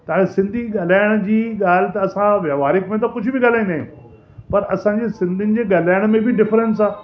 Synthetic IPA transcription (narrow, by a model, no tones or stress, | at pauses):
t̪ɐʋãesɪ̃nd̪ʱiɠɐl̤aːɪɽ̃d͡ʑiːɠaːl̤ɪt̪ɐɐsãʋjaʋaːɾɪkmẽt̪̬ɐkʊd͡ʑʱʊbɪɠaːl̤aːĩnd̪aːɦĩjṵ̃ː | pɐɾɐsãɲd͡ʑeːsɪ̃nd̪ʱɪnɪ̆d͡ʑeːɠɐl̤aːɪɽ̃mẽbɪɖɪfɾɛ̃ns̬aː